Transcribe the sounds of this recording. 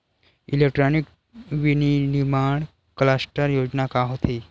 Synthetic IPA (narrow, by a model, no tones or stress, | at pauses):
ḭlek̚ʈɾɔnik | ʋininimaɳ | klasʈəɾjod͡znakaɦot̪ʰe